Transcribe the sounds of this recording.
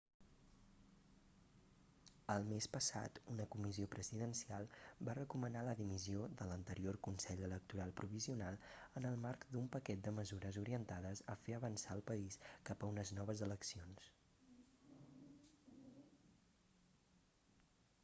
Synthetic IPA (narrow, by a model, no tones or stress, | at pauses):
əlˠmespəsa̰t̪unəkumiziopɾəziðənsialˠbarəkumənaləðimizioðələnt̪əɾiorkunsɛʎələk̚t̪uɾalˠpɾuβ̞iziunalˠənəlˠmarkd̪umpəkɛt̪̚d̪əməzuɾəzuɾiənt̪aðəzəfeəβənsaəlˠpəiskapəunəznɔβ̞əzələksions